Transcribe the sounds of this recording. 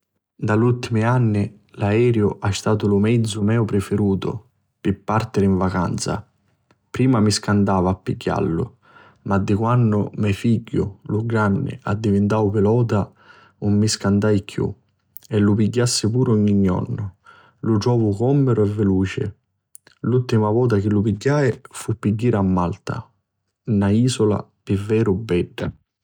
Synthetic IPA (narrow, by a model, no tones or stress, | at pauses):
d̪alult̪imɪanːɪ | laɛːɾjʊʔast̪aːt̪ʊlʊmɛd̪zːʊmɛːʊpɾɪfɪɾuːt̪ʊ̰ | pɪpːart̪ɪɾɪiɱvaka̰nt̪sa̰ | pɾiːmamiskand̪aːvapːiɟːa̰lːʊ̰ | mad̪ːɪkwanːʊmɛjfiɟːʊ̰lʊɡɾanːɪ̰ʔad̪ːivɪnt̪awpɪlɔːt̪̬a | umːiskand̪ajkʰjṵ | ɛlːʊpiɟːasːɪpuːɾɔɲːiɲːɔ̰nːʊ | lʊʈɾɔːvʊkɔmːeɾʊɛvːeluːt͡ʃɪ̰ | lult̪ːimavɔːt̪̬ak̟ɪlːʊpiɟːaːjfupːiɟːiːɾamːalt̪a̰ | naiːsʊla̰pɪvːɛːɾʊbːɛɖːa̰